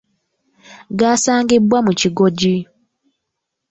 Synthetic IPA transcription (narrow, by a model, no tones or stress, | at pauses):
ɡaːsaːŋɡibwamuciɡoɟi